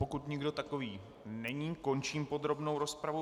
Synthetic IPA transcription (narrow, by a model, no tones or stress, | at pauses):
pokut̪ɲɪɡdo̞t̪ako̞viː | nɛɲiːko̞nt͡ʃiːmpo̞d̪ɾo̞bno̞wɾo̞spɾavu